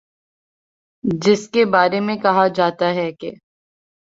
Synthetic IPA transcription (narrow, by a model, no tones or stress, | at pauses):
d͡ʒɪskebaːɾemẽkɐɦad͡ʒaːt̪aɦɛkḛ